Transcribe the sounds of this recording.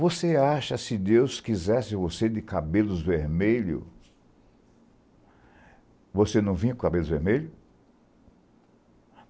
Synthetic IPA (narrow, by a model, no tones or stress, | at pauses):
voseaʃɐsɪd̪ewskizɛsɪvosed̪ɪkabelʊzveɾmeʎʊ̰ | vosenɐ̃w̃vĩɐkkabelʊzveɾmeʎʊ